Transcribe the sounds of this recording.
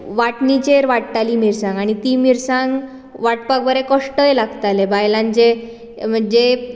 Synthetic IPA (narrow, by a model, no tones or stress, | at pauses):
ʋaʈnit͡ɕeɾʋaʈt̪alimiɾsãŋɡaɽ̃it̪iːmiɾsãŋɡ | ʋaʈpakʋəɾekəʂʈəjlaɡt̪alebajlãnt͡ɕe | m̤əɳd͡ʑe